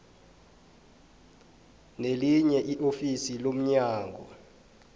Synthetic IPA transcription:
neliɲɛʔiʔofisilom̩ɲaːŋɡʱɔ

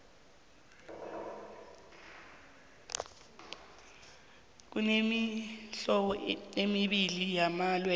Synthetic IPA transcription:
k̬unemiɬɔɓɔnemiɓilijamalwɛ

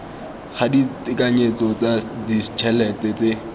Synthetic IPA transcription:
χaditɪkaɲet͡sɔt͡sadit͡ʃʰɛlɛtɛt͡se

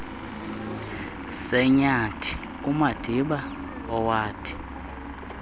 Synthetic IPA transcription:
sɛɲatʰi̥ | umad̥ʱiɓa | ɔwaːtʰi̥

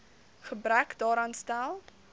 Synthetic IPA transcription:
χəbrækdɑːɾɑːnstælˠ

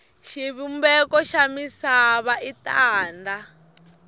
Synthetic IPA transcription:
ʃiβumbɛkɔʃamisaβaʔitaːnda

